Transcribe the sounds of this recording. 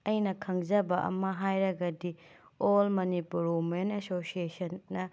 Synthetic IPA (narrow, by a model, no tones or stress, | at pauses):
ɐjnɐkʰɐŋzɐbɐʔɐ̰mɐɦajɾɐɡɐdi | olmɐnipuɾomenɐsosiesɐnːɐ